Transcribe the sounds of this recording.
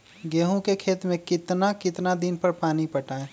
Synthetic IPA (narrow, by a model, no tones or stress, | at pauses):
ɡeːɦõkekʰeːt̪mẽkɪt̪nakɪt̪nad̪ɪnpəɾpaːnipɐʈaːẽ